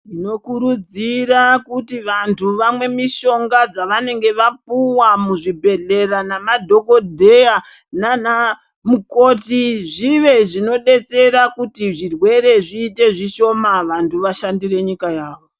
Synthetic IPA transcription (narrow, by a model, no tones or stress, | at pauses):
tino̞kuɾud͡ziɾakutiʋantʰuʋamwe̞miʃo̞ŋɡad͡zaʋane̞ŋɡe̞ʋapuwamuʐibʱe̞ɮe̞ranamadʱo̞ko̞dʱeja | nana | muko̞tiʐiʋe̞ʐino̞ɗe̞t͡se̞ɾakutiʐirwe̞ɾe̞ʐiːte̞ʐiʃo̞maʋantʰuʋaʃandire̞ɲikajaːʋo̞